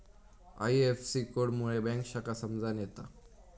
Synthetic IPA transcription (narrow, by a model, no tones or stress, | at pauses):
a̰jefsikoɽmuɭebɛ̃ŋkɕakasəmd͡zanjet̪a